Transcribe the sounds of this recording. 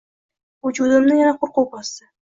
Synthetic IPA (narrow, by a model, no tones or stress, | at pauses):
wʊd͡ʒud̪ɪmnɪjanaqʰʊɾqowbɒst̪ɪ